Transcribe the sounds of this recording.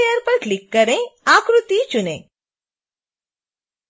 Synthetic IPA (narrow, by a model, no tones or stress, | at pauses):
ejəɾpəɾʈlikːəɾẽakɾut̪it͡ʃunẽ